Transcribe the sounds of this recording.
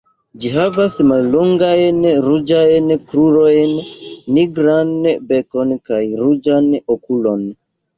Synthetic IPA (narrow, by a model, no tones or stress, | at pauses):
d͡ʒiɦavasmalːoŋɡajnɾud͡ʒajnkɾuɾojnːiɡɾanbekonkajɾud͡ʒanokulon